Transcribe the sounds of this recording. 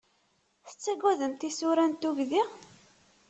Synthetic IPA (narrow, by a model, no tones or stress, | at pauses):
θə̥t͡sːæɡæðənt̪isuɾænt̪uʝði